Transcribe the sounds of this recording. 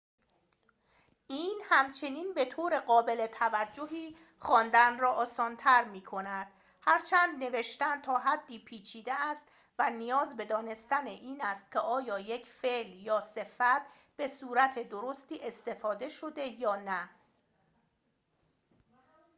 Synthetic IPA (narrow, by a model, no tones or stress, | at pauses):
ʔiːnhæmt͡ʃʰe̞niːnbe̞t̪ʰoːɾe̞ɢɒːbe̞le̞t̪ʰævæd͡ʒːoɦiː | χɒːnd̪ænrɒːʔɒːsɒːnt̪ʰæɾmiːkʰo̞næd̪̥̚ | hæɾt͡ʃʰænd̪ne̞ve̞ʃt̪ænd̪t̪ʰɒːɦæd̪ːiːpʰiːt͡ʃʰiːd̪eæst̪ | vænijɒːzbe̞d̪ɒːne̞st̪æneʔiːnæst̪̚cʲʰeʔɒːjɒːje̞cʰfeljɒːse̞fæt̪̚ʰ | b̥e̞suːɾæt̪ʰe̞d̪o̞ɾo̞st̪iːʔe̞st̪e̞fɒːd̪e̞ʃo̞d̪e̞jɒːnæ